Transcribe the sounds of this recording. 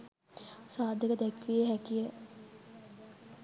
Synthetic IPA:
saːd̪ʱəkəd̪ɛkʋijəɦækijə

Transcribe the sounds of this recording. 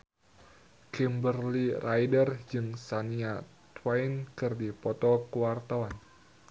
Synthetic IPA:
kimbərlirʔajdərd͡ʒɨŋsania | t̪wainkɨrdipɔt̪ɔkuwart̪awan

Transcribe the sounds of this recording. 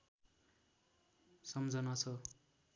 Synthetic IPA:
sʌmd͡zʌnat͡sʰʌ

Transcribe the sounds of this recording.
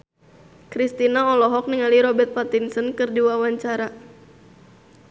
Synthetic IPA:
kɾist̪inaɔlɔɦɔk̚niŋaliɾɔbɛrt̪̚pat̪insənkɨrdiwawaɲt͡ʃaɾa

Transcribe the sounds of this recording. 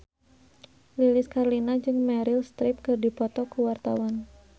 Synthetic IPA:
lilɪskarlinad͡ʒɨŋmɛɾɪlst̪ɾɪp̚kɨrdipɔt̪ɔkuwart̪awan

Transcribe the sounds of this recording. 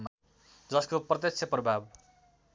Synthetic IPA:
d͡zʌskoprʌt̪̬jʌkt͡sʰeprʌbʱab

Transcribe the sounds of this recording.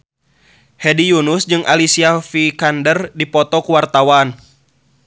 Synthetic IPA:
hɛdijunusd͡ʒɨŋʔa̰lisiafikandərdipɔt̪ɔkuwart̪awan

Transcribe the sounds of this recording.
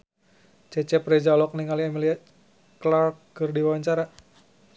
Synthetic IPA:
t͡ʃɛt͡ʃɛpɾɛd͡ʒalɔk̚niŋaliamilia | klarkːɨrdiwawaɲt͡ʃaɾa

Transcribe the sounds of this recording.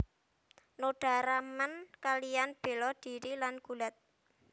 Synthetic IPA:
noɖ̥a̤ɾamankalijanb̥e̤lɔd̪̥i̤ɾilanɡ̥ṳlat̪̚

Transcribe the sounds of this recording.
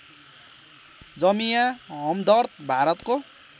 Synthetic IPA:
d͡zʌmijaɦʌmd̪ʌrt̪̚bʱaɾʌt̪ko

